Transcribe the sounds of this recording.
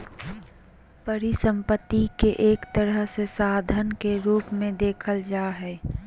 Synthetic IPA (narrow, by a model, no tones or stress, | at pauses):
pəɾisə̃mpət̪ːikeʔeːkt̪əɾəɦsesaːd̪ʱənkeɾuːpmẽd̪eːkʰəld͡ʒaːɦɛː